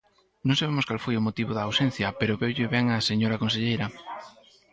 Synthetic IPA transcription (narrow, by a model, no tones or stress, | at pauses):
nõŋsaβemʊskalfojomot̪iβoðɐːwsɛn̟θjɐpeɾoβewʎɪβɛŋaseɲoɾɐkons̬eʎejɾɐ